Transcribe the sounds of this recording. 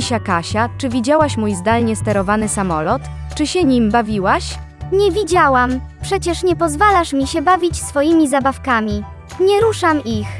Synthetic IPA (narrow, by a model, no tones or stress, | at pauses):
ɕakaɕat͡ʂɘvʲid͡ʑawaɕmujzd̪alɲɛst̪ɛɾɔvanɘsamɔlɔt̪ | t͡ʂɘɕɛɲimbavʲiwaɕ | ɲɛvʲid͡ʑawampʂɛt͡ɕɛʂɲɛpɔzvalaʂmʲiɕɛbavʲit͡ɕsfɔjimʲizabafkamʲi | ɲɛɾuʂamix